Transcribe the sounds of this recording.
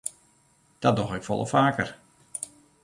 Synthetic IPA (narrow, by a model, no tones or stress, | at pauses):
d̥ɔt̚dɔxɪkfɔ̰lˠə̰faːkər